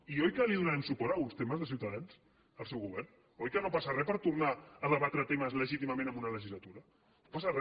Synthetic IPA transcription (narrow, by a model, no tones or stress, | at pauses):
iojkəliðunaɾɛmsupɔɾaunst̪eməzðəs̬iwt̪aðans | əlˠsɛwɣuβ̞ɛrn | ojkənopasarɛpəɾt̪uɾnaəðəβat̪ɾət̪eməzləʒit̪imɐmẽnəmunɐləʒizlat̪uɾɐ | nopasarɛ